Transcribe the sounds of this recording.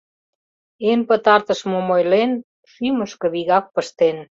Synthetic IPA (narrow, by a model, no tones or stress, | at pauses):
enpət̪ɑrt̪əʃmomojlen | ʃyməʃkə̆βiɣɑk̚pəʃt̪en